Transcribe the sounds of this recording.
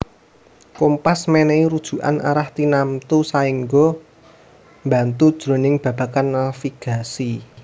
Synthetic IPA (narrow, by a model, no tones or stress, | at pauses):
kompasmɛnɛiɾud̥ʒ̥ṳʔa̰na̰ɾaht̪inamt̪usaiŋɡɔ | mba̤nt̪ud̥ʒ̥ɾo̤nɪŋb̥ä̤b̥ä̤kanːafiɡ̥a̤si